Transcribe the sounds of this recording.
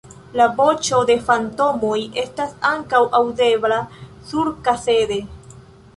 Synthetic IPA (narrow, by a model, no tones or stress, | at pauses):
labo̞t͡ʃo̞de̞fanto̞mo̞je̞stasaŋkawʔawde̞blasuɾkase̞de̞